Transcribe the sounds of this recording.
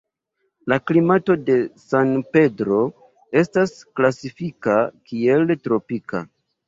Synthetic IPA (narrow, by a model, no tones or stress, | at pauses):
laklimato̞de̞sanpe̞dɾo̞ | e̞stasklasifikakie̞ltɾo̞pikʰa̰